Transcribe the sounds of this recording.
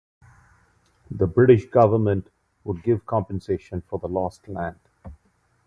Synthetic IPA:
d̪əbɾɪʈɪʃɡʌʋəɾmə̃nʈ | wʊɖ̚ɡɪʋkʰɑ̃mpə̃nseːʃə̃nfɔɾd̪əlɔːsʈʰlæ̃nɖ̥

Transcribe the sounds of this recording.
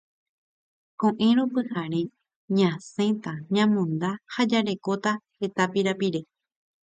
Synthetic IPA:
kõʔẽɾopɨhaɾe̞ | ɲãsẽ̞t̪aɲãmõnd̪ahad͡ʒaɾe̞kot̪ahe̞t̪apiɾapiɾe̞

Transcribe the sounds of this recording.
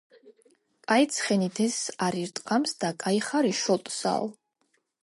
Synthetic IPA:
pʼait̪sʰχɛnid̪ʰɛsaɾiɾt̪ʼqʼamsd̪akʼaiχaɾiʃɔt̪ʼsa̰lˠ

